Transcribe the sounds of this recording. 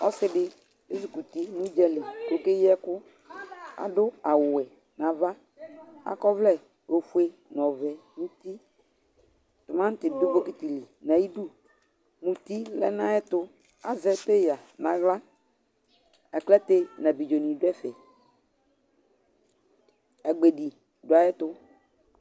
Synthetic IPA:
ɔ˦sɪ˦dɪ˦ | e˦s̬u˨ku˨t̪i˦mũ˦d͡ʒɛ˦lɪ˨ko˨ke˦jɛ˦kʊ˦ | a̰˨dʊ˦a˨wʊ˨ɛ˨ | nã˨va˦ | a̰˨kɔ˦vlɛ˦˨ | o˨fu˦e˦nɔ̃˨vɛ˨mũ˦t̪i˦ | tʊ˨mã˦n̩˦tɪ˨do˦bo˦ki˦t̪i˨li˨nã˨ji˦du˦ | mũ˨t̪i˦lɛ̰˦nã˦jɛ˦t̪ʊ˦ | a˨zɛ˨te˦ja˨nã˨ɣla˦ | ɛ˨klɛ˦te˦nã˨bi˨d͡ʒo˨nũ˨dʊ˦ɛ˦fɛ˨ | ɛ˨ɡ͡be˨di˨ | dʊ˨˦a˨jɛ˦t̪ʊ˦

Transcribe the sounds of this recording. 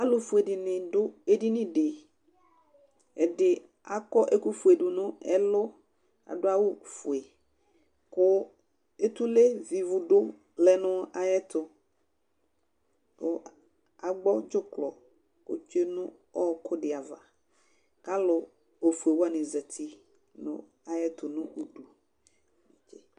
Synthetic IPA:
a˨˦lʊ˨fʊ˨e˨dɪ˨nɪ̃˨dʊ˦e˦di˦nɪ̃˦dɪ˨ | ɛ˨dɪ˨ | a˨kɔ˦ʔe˦ku˦fu˨e˨dʊ˨nʊ̃˦ɛ˦lʊ˦ | a̰˨dʊ˦a˦wʊ˦fʊ˨e˨ | kʊ˦ | e˦t̪u˦le˦vi˨vʊ˨dʊ˦ | lɛ˨nʊ̃˦a˨jɛ˦t̪ʊ˨ | kʊ˦ | a˨ɡ͡bɔ˦d͡ʒʊ˦klɔ˨ | ko̰˦t͡ʃe˦nʊ̃˦ | ɔ˦kʊ˦dɪ˨a˨va˨ | ka˦lʊ˨ | o˨fu˨e˨wa˨nɪ˨zɛ˨t̪ʰi˨ | nʊ̰̃˨ | a˨jɛ˦tʊ˨nʊ̃˦ʔu˨du˨ | t͡ʃɪ˨

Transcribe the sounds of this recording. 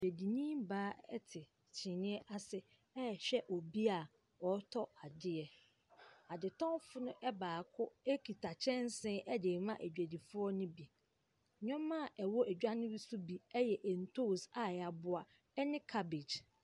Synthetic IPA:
e˨æ˨di˨nĩ˦mbaː˦ɛ̰˦tʰɪ˨ | t͡ɕʰɪ̃˨nɪ̃˦ɛ˦ʔa˦sɪ˦ | ɛ˦˨ɕᶣɛ˦ʔɔ˨bi˦a˨ | ɔ˨˦tʰɔ˦a˨dɪ˦ɛ˨ | a˨dɪ˨tʰɔ̃˦fʊ˦nʊ̃˦ʔɛ˦baː˨kʰʊ˦e˦kʰi˨tʰa˨t͡ɕʰɛ̃˦n˦sɪ̃˦ʔɛ˦de˨mã˦ʔæ˨d͡ʑᶣæ˨di˨fʊ˦ɔ˦nʊ̃˦bi˨ | ɲᶣɔ̃˦mːã˦˨ʔɛ˨wɔ˦ʔæ˨d͡ʑᶣa˦nɪ̃˦ɾi˦su˦bi˨ɛ˦jɛ˨ʔɛ˨n̩˨tʰo˦˨sa˨a˨bʊ˦a˨ | ɛ˦nɪ̃˦kʰa˦be˨d͡ʑ

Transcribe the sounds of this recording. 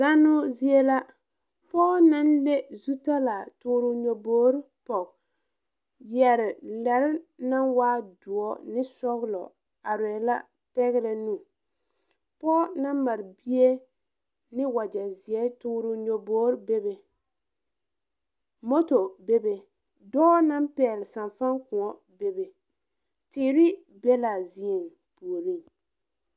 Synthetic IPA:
za˦nʊ˦zi˦e˦la˦ | pɔː˦na˦nle˦zu˦ta˦la˨tʊː˦ɾʊ˦ɲo˨boː˦ɾpɔ˨k | jɛ˨ɾɪ˨lɛ˨ɾɪ˦na˦nwaː˦dʊ˨ɔ˦nɪ˦sɔ˦ɣlɔ̰˨ | a˨ɾɛ˨la˦ | pɛ˦ɣɪ˦ɾɛ˨nu˦˨ | pɔ˦na˦ma˨ɾbi˦e˦ | nɪ˦wa˨d͡ʒa˨zɪ˨ɛ˦tuː˦ɾʊ˦ɲo˨boː˦ɾbe˦be˨ | mo˦to˨be˦be˨ | dɔː˦na˦mpɛː˨lɪ˨sa˨nfa˦ŋkʊ̃˨ŋɔ˦ | be˦be˨ | tɪː˨ɾɪ˦ | be˦la˨zi˦e˨n | pu˨o˨ɾi˦ŋ

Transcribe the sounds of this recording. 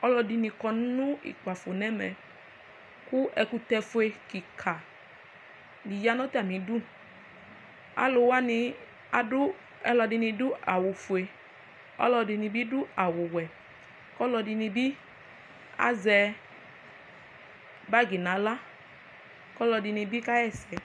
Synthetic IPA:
ɔ˦lɔ˧di˧nĩ˧kɔ˧n˦nũ˦ḭ˨k͡pa˨fo˨nɛ˦mɛ˨ | ku˦ɛ˧ku˧tɛ˧fu˧e˧ki˨kʰa˨ | li˨ja˧nɔ˦tɛ˦a˨mĩ˨du˦ | a̰˨˦lo˧wa˦ni˧ | a˨dʊ˦ | ɛ˦lɔ˧di˧nĩ˧dʊ˦a˨wʊ˨fu˧e˧ | ɔ̰˦lɔ˧di˧nĩ˧bi˦dʊ˦a˨wo˨wɛ˨ | kɔ˦lɔ˧di˧ni˧bi˦ | a̰˦zɛ˧ | ba˦ɡi˨nã˨˦la˦ | kɔ˦lɔ˧di˧nĩ˧bi˦ka˦jɛ˦˨sɛ˨

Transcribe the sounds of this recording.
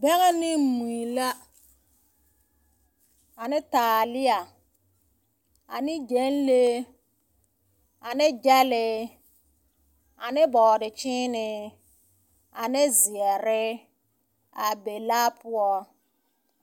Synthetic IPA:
bɛ˦ɣɛ˦nɪ˦mu˨i˨la˦ | a˨nɪ˦taː˨lɪ˦a˨ | a̰˨nɪ˦d͡ʒe˨˦nle˦ | a˨nɪ˦d͡ʒɛ˦lɪ˦ | a˨nɪ˦bɔː˨dɪ˨t͡ʃɪ˦nɪ˨ | a˨nɪ˦zɪ˨ɛ˨ɾɪ˦ | a˨be˨laː˦pʊ˦ɔ˦

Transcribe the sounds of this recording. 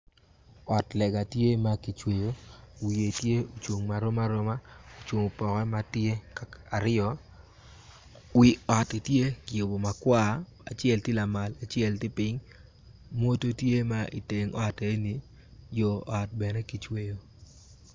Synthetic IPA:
ɔ˨tlɛ˨ɡa˨tje˦ma˦ki˨t͡ʃwe˨jo˦wi˨e˨tje˦o˨t͡ʃwo˨ŋma˨ɾo˦ma˦ɾo˦ma˦o˨t͡ʃwo˨ŋo˨pɔ˨kɛ˦ma˦tje˦kaa˨ɾɪ˦ɔ˦ | wi˨ɔ˨tɪ˨tje˦kɪ˨jo˨bo˨ma˨kwa˦ | a̰˨t͡ʃɪ˦ɛ˦ltɪ˦la˨ma˨la˨t͡ʃɪ˦ɛ˦ltɪ˦pɪ˦ɲ | mo˦to˦tje˦ma˦ʔḭ˨te˨ŋɔ˦te˨˦ni˨ | jo˨ɔ˨t̚bɛ˨ne˦ki˨t͡ʃwe˦jo˨

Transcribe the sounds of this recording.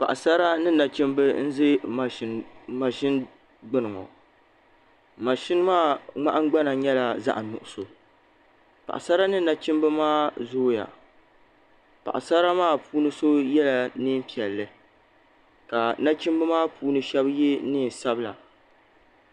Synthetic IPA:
pa̰˨ʔa˨sa˦ɾa˦nɨ˦na˨t͡ʃɪ˦mbɨ˦n̩˦zɨ˦˨ | ma˨ʃɪ˦n | ɡ͡bɨ˦nɨ˨ŋɔ̰˨ | ma˨ʃɪ˦n˦maː˦˨ŋ͡ma˦ʔa˦ŋ˦ɡ͡ba˦na˨ɲɛ˦la˨za̰˦ʔnʊ̰˨ʔʊ˨so˨ | pa̰˨ʔa̰˨sa˦ɾa˦nɨ˦na˨t͡ʃɪ˦mbɨ˦maː˦zoː˦ja̰˨ | pa˨ʔa̰˨sa˦ɾa˦maː˦˨puː˦nɨ˦so˦jɛ˦la˨nɨ˦m˦pi˨ɛ˨lːɨ˨ | ka˨na˦t͡ʃɪ˦mbɨ˦maː˦pʰuː˦nɨ˦ʃɛ˦bje˦nɨ˦˨n˨sa˦bɨ˦la̰˨

